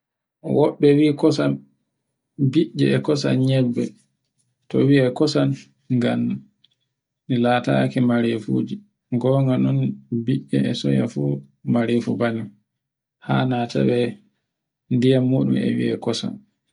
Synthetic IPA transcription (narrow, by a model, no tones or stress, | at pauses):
wɔɓːɛwikɔsan | biʔɛɛkɔsa̰nɲɛbːɛ | tɔ̰wiɛkɔsan | ŋɡam | nilaːta̰kimaɾefṵd͡ʒi | ɡɔŋɡanɔnbiʔːɛ̰ɛsɔ̰ja̰fu | maɾefubani | ha̰ːnatʰa̰wɛ | ndijamːuːɗumɛ̰wiɛ̰kɔsa̰n